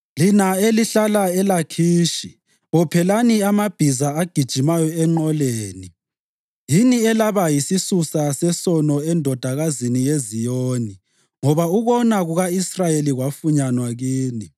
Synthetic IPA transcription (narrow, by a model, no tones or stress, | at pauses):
linaeliɬalaɛlakʰiːʃi | ɔpʰɛlaniamab̥ʱizaaɡ̥ʱid̥ʒ̥ʱimajɔɛŋ͡ǃɔleːni | jiniɛlaβajisisusasɛsɔnɔɛndʱɔd̥ʱaɣazinijezijoːni | ŋɔβauβɔnaɣuɣaisrajeliɣwafuɲanwaɣiːni